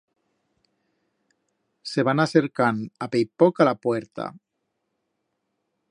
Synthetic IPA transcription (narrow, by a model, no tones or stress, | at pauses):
se̞β̞anaseɾkanapejpokalapweɾt̪a̰